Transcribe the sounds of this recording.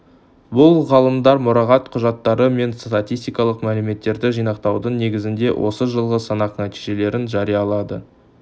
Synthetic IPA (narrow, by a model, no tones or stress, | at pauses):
bʊlˠʁɑlˠəmd̪ɑɾmʊɾɑʁɑt̪qʰʊʒɑt̪ːɑɾəme̞nst̪at̪ʲijst̪ijkɑlˠəqmælɪme̞t̪ːe̞ɾd̪ɪʒijnɑqt̪ɑwd̪əɴne̞ɡʲɪzɪnd̪e̞wʔo̞̰səʒəlˠʁəsɑnɑqnæt̪iʒe̞le̞ɾɪnʒɑɾijɑlˠɑd̪ə̰